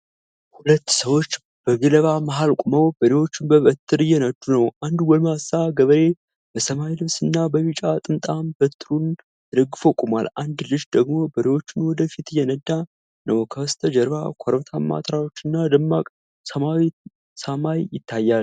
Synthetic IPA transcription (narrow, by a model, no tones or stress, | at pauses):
hulət̪ːsəwo̞t͡ʃː | b̥əɡɨləβamaɦalkʼuməwbəɾewo̞t͡ʃːɪnbəβət̪ʰːɨɾɨjːɛnəd̪ːunəwʔand̪wɔlmasaɡəβəɾe̞ | b̥əsəmajlɨβsɨnːabəβit͡ʃʼat̪ʼɨmt̪ʼambət̪ʰːɨɾun | jɛd̪əɡːɨfo̞kʼumwa̰lʔand̪lɨʃd̪əɡmo̞bəɾewo̞t͡ʃːɪnwɔd̪əfit̪ɨjɛnəd̪ːa | nəwkʰəst̪ʰəd͡ʒəɾβakʷʰɔɾt̪ʰamːa̰t̪ʰɾawot͡ʃːɪnːad̪ɨmːakʼ | səmawi | samajjɪt̪ːajːal